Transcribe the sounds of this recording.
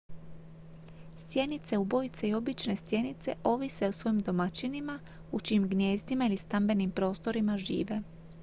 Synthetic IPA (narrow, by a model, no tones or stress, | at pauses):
st̪je̞nit̪se̞ubo̞jit̪seio̞bit͡ʃne̞st̪je̞nit̪se̞̰ʔo̞ʋise̞usʋo̞imd̪o̞mat͡ɕinima | ut͡ʃiːmɡnje̞ːzt̪imailist̪ambe̞nimpɾo̞ːst̪o̞ɾimaʒḭːʋe̞